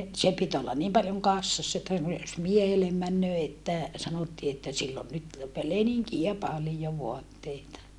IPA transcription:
se pit olːɑn niːm pɑljoŋ kɑsːɑsːɑ etːæ noi jos miehelem mænːøː etːæ sɑnotːiː etːæ silː on nyt pe leniŋkiæ pɑlijo ʋoɑtːeitɑ

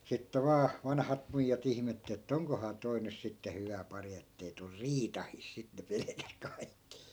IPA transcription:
sitːe ʋɑː ʋɑnhɑt muijːɑt ihmetː etːæ oŋkohɑː toi nys sitːe hyʋæ pɑri etːei tur riːtɑhiˑs sit ne pelĕkæs kɑi̯kːi

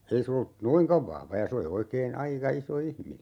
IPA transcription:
ei se olːu noiŋkɑʋ ʋɑhʋɑ jɑ se oli oikeːn ɑikɑ iso ihmine

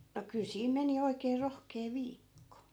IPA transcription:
no kyl siːm meni oikeː rohkeː ʋiːkːo

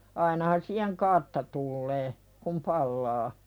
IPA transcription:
ɑinɑhɑn siːheŋ kɑrtːɑ tulːeː kum pɑlːɑː

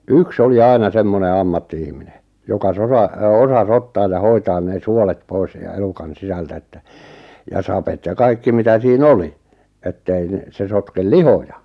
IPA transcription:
yks oli ɑinɑ semːone ɑmːɑtːiihmine jokɑ sorɑ osɑs otːɑːj jɑ hoitɑːn neː suolet pois jɑ elukɑn sisæltæ etːæ jɑ sɑpet jɑ kɑikːi mitæ siːn oli etːei n̆ĕ se sotkel lihojɑ

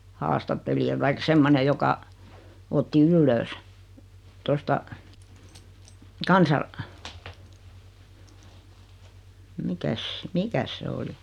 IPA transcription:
hɑːstɑtːeliɑ tɑik semːone jokɑ otːi ylːøːs tostɑ kɑnsɑ mikæs mikæs se oli

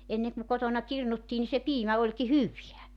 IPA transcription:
enːe ku kotonɑ kirnutːiː ni se piːmæ olʲki hyʋiæ

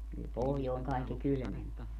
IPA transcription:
kyl pohjoˑeŋ kɑˑekːi kylmemp o

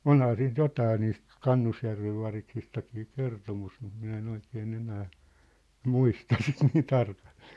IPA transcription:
onhɑː siːnt jotɑː niːst kɑnːusjærʋeʋ ʋɑriksistɑkiː kertomus mut minæ en oikeːn enæː muistɑ sit niː tɑrkɑl̥ːe̥ː

